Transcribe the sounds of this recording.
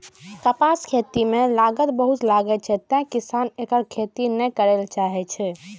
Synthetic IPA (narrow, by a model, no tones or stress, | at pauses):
kəpaskʰet̪imelaɡət̪bəɦut̪laɡɛt͡ʃʰɛt̪ɛ̃kisanekəɾkʰet̪inɛkəɾelt͡ʃaɦɛt͡ʃʰɛ